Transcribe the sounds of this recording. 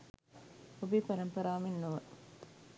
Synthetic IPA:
obipɐɾɐmpɐɾaːminːuʋə

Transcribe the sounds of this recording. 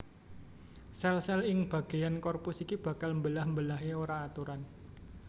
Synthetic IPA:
sɛlsɛlɪŋb̥a̤ɡ̥a̤jankɔrpusikib̥ä̤kalmbəlahmbəlaɦeoɾaːt̪uɾan

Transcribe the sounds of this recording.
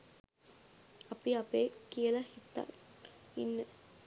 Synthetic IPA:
ɐpiɐpeːkijəlɐhit̪ːa̰ | inːə

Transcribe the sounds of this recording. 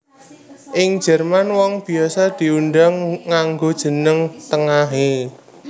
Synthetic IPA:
ʔɪŋ̥ʒ̥ɛ̤rmanwɔŋb̥i̤asɔd̪̥i̤uɳɖaŋːaŋɡod̥ʒ̥ə̤nəŋt̪əŋaɦe

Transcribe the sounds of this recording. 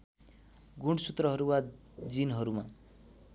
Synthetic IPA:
ɡuɳɖsut̪rʌɦʌɾuwa | d͡zinɦʌɾuma

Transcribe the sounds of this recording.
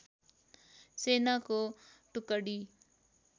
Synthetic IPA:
seːnaːkoːʈʊkəɽiː

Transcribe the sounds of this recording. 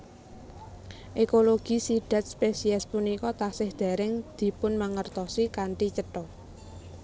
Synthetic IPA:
ʔekoloɡ̥i̤siɖ̪̥a̤t̪̚spesiɛspunikɔt̪asɪhd̪̥a̤ɾɪŋd̪̥i̤pʊnmaŋərt̪ɔsikaɳʈit͡ʃəʈɔ

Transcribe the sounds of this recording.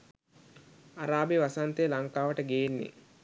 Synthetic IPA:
aɾaːbeʋasant̪eːlaŋkaːʋəʈəɡejːnːḭ

